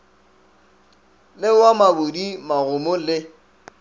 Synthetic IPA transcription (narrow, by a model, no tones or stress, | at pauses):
lɪwamabʊdimaɣʊmʊlɪ